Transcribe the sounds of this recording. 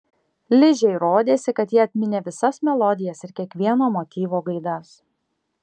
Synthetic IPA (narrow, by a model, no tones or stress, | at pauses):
lʲɪʒʲɛɪɾoːd̪ʲeːsʲɪkɐt̪jiːɐt̪ʲmʲɪnʲeːʋʲɪsɐsmʲɛlˠɔd̪ʲɪjɛsɪɾkʲiɛkʋʲiɛnoːmot̪ʲiːʋoːɡɐɪd̪ɐs